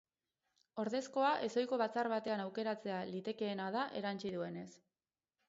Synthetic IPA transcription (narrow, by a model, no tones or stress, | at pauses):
o̞ɾðe̞sko̞aʔe̞so̞jko̞βat͡sarβat̪e̞anawke̞ɾat͡se̞alit̪e̞ke̞ːnað̞aʔe̞ɾant͡ʃiðue̞ne̞s